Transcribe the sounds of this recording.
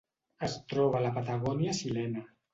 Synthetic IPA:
əst̪ɾɔβ̞alapat̪aɣɔnjasilɛna

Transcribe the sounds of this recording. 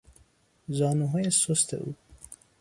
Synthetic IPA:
zɒːnuɦɔːjesost̪ḛʔṵ

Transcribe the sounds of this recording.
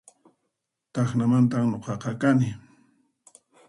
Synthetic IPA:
t̪ɑχnamant̪amnoqɑqɑkanɪ

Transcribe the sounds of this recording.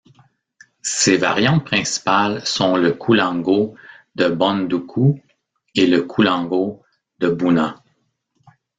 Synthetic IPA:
seva̰ʁjɑ̃pχɛ̃si̥palsɔ̃ləkʰulɑ̃ɡo | d̪əbɔ̃nd̪ukʰu | eləkʰulɑ̃ɡo | d̪əbunã

